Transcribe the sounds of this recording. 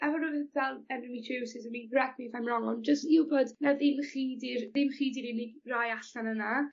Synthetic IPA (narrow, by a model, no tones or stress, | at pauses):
ɛvɔnɔvɛvɛlˠɛnɪmitʰewsɪzənmiɡrɛɡ̚mivamrɔŋɔnd͡ʒəstiwboːdnaðɪmχiːdɪrðɪmχiːdiɾinɪɡrajaɬanəna